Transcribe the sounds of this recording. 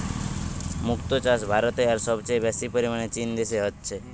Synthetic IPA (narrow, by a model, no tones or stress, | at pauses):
mʊkt̪ot͡ʃas̬bʱaɾɔt̪eaɾsɔbt͡ʃebjasipəɾimanet͡ʃind̪eseɦət̪t͡ʃʰe